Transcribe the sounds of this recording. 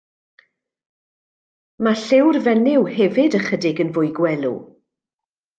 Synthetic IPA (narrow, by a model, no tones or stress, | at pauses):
maɬɪwrvɛnɪwhɛvɪdəχədɪɡənvʊjɡwɛlˠṵ